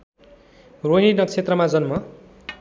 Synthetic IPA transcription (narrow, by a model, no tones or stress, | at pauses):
roɦinʌk̚t͡sʰet̪rʌmad͡zʌnmʌ